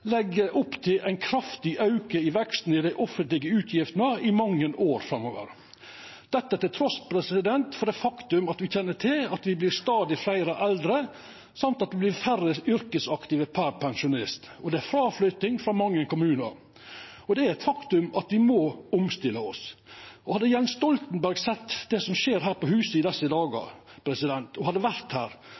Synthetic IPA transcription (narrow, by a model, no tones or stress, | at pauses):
lɛɡːəʔʊpːt̪ʰɪlʔæɪnkʰɾɑft̪ɪʔɑʉkəɪʋɛkst̪n̩ɪd̪æɪʔɔfənt̪lɪɡəʉːt̪ʰjɪft̪ənəɪmɑŋːənoːɾfɾɑmːoːʋə̰ɾ | d̪̥ɛt̪ːət̪ɪlt̪ʰɾɔspʰɾɛsɪd̪ɛnt̪fɔɾɖɛfɑkt̪ʉmɑt̪ʋɪçɛnːəʈʰɪlɑt̪ʋɪblɪɾst̪ɑːd̪ɪflæɪɾəʔɛld̪ɾə | sɑmt̪ɑt̪̚d̪ɛblɪɾfæɾəʏɾkəsɑkt̪ɪʋəpʰæɾpʰɛŋʃʊnɪst̪ | ɔd̪ɛæɾfɾɑːflœʏt̪ɪŋfɾɑmɑŋːəkʊmʉːnɑ̰ɾ | ɔd̪ɛæɾɛt̪fɑkt̪ʉmɑt̪ʋɪmɔʊmst̪ɪlːəɔsɔhɑd̪ːəjɛnsst̪ɔlt̪n̩bæɾɡsɛt̪ːd̪ɛsɔmʃeːɾɦæːɾpɔɦʉːsəɪd̪ɛsːəd̪ɑːɡɑ̰pʰɾɛsɪd̪ɛnt̪ʰɔhɑd̪ːəʋæɾt̪hæːɾ